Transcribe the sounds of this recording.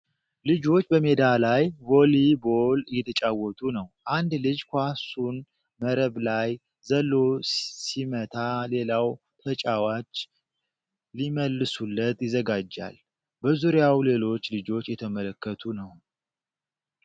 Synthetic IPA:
lɨd͡ʒo̞t͡ʃːbəme̞d̪alajvo̞libolɨjːɛt̪ʰət͡ʃʼawːɔt̪ʼunəwʔand̪lɨd͡ʒkʷasun | məɾəβlaj | zəlːo̞simət̪ʰale̞law | t̪ʰət͡ʃʼawat͡ʃː | liməlːɨsulːət̪ʼjɪzəɡad͡ʒːa̰l | bəzuɾjawle̞lo̞t͡ʃːlɨd͡ʒo̞t͡ʃːjɛt̪ʰəmələkːət̪ʰunəw

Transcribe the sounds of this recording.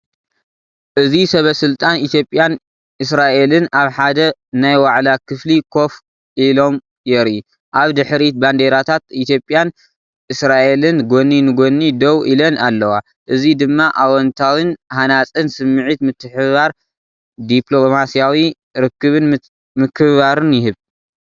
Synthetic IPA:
ʔɨzisɐβɐsɨlt̪ʼanit̪ʰjo̞pʼːjan | ʔɨsɾaʔe̞lɨnaβħad̪ɐnajwaʕlakʰɨflikʰo̞f | ʔilo̞m | jɛɾu | ʔaβd̪ɨħɾit̪̚band̪eɾat̪ʰat̪it̪jo̞pʼːjan | ʔɨsɾaʔe̞lɨnɡonːinɨɡonːid̪ɐwʔilɐnalːɐwa | ʔɨzid̪ɨmːaʔawɔnt̪ʰawɨnhanat͡sʼɨnsɨmːɨʕit̪mɨt̪ʰːɨħɨβaɾ | d̪ipʰlo̞masijawi | ɾɨkːɨβɨn | mɨkʰɨβaɾɨnjɪɦɨβ

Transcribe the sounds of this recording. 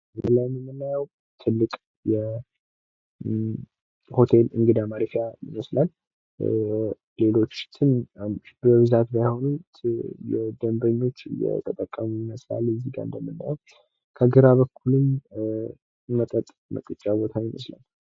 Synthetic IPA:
nɨlːajməmːɨnːajəw | t̪ʰɨlːɨkʼ | jɛ | ho̞t̪ʰe̞lɨŋɡɨd̪amaɾifijajɪməslal | le̞lo̞t͡ʃːt̪ʰɨnbəβɨzat̪bajho̞nut̪jɛd̪əmbəɲːo̞t͡ʃːjɛ̰t̪ʼət̪ʼːəkʼːəmujɪməsla̰lːɨzːiɡa̰nd̪əmːɨnːajɛw | kʰəɡɨɾaβəkʰːulɨm | mət̪ʼət̪ʼmə̰k̪ʼɨt͡ʃʼːaβo̞t̪ʰajɪməsla̰l

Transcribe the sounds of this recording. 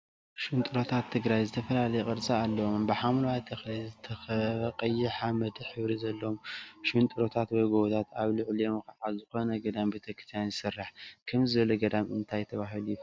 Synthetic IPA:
ʃunt̪ʼɨɾo̞t̪ʰat̪ʰːɨɡɾajzɨt̪ʰɐfɐlalɐjɛkʼɨɾt͡sʼaalːɐwombɨħamlwat̪ʰɐxlizɨt̪ʰɐxɐqʼɐjɪħamɐd̪ɨħɨβɾizɐlːɐomʃunt̪ʼɨɾo̞t̪ʰat̪wɐjɡowt̪ʰat̪aβlʊʕlijomkɐʕazɨxo̞nɐɡɐd̪ambit̪ʰɐkʰɨ̥t̪ʰjanzɨsɨrːaħkʰɐmzɨβɐloɡɐd̪amɨnt̪ʰajt̪ʰɐβaɦɨlu

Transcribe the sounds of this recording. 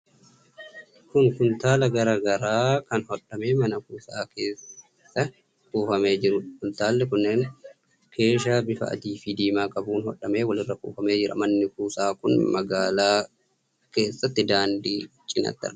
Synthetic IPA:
kʊnkʊnt̪aːlɐɡɐɾɐɡɐɾaːkɐnhɔᶑːɐme̞ːmɐnɐkuːsaːke̞ːs | ɐ | kʼuːfɐme̞ːd͡ʒɪɾʊhʊnt̪aːlːɛkʊnːe̞ːn | kʰe̞ːʃaːbɪfɐ̰ɐ̰d̪iːfiːd̪iːmaːkʼɐbuːnhɔᶑːɐme̞ːwɐlɪrːɐkʼṵːfɐme̞ːd͡ʒɪɾʔɐ̰mɐnːɪkuːsaːkʊnmɐɡaːlaː | ke̞ːsːɐt̪ːɪd̪aːnd̪iː | t͡ʃʼːɪnɐ̰t̪ːɐ̰ʔ

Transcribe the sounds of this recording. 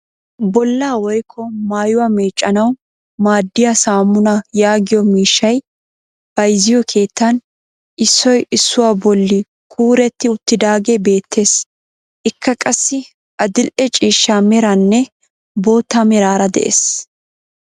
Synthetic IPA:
bɔlːaːwɔjkʰːɔmaːjʊwaːmeːt͡ʃʼːɐnɐw | maːd̪ːɪjasaːmːʊnɐjaːɡɪjɔmiːʃːɐj | b̥ɐjzɪjɔkʰe̞ːt̪ːɐn | ʔɪsːɔjɪsːʊwaːbɔlːɪ | kʰuːɾɛt̪ːɪʊt̪ːɪd̪aːɡebe̞ːt̪ʰːe̞ːs | ʔɪkʰːɐkʼɐsːɪ | ʔɐd̪ɪlʔɛt͡ʃʼiːʃːaːmɛɾɐnːɛ | bo̞ːt̪ːamɛɾaːɾɐd̪ɛ̰ʔḛːs

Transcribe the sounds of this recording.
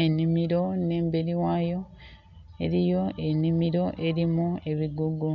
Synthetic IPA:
enimiɾo̞ne̞ːmbe̞ɾiwaːjo̞ | e̞ɾijo̞ʔe̞nimiɾo̞ʔe̞ɾimue̞βiɡuɡu

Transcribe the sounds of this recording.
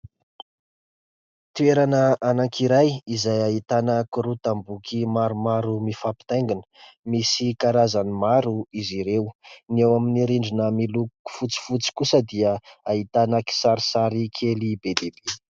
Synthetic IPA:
t̪ueɾanəanaŋkʰiɾajizajaɦit̪anəkuɾut̪ambukimaɾumaɾumifapi̥t̪ajŋɡinə̥misikaɾazanimaɾuiziɾewnewaminiɾiɳɖ͡ʐinəmiluku̥fut͡si̥fut͡si̥kusəd̪iəait̪anəki̥saɾisaɾikʰelibed̪ebe

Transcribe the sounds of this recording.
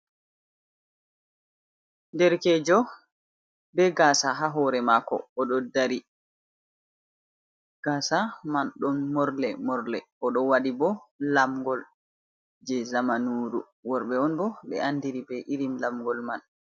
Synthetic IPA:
ndɛɾkɛd͡ʒɔ | bɛɡaːsaɦaɦɔːɾɛmakɔ̰ːɗɔdaɾi | ɡ̥asamanɗɔnmɔɾlɛmɔɾlɛ̰ʔɔɗɔwaɗibɔlamɡɔl | d͡ʒɛzamanuːɾu | wɔɾɓɛɔnbɔɓɛ̰andiɾibɛʔiɾimlamɡɔlman

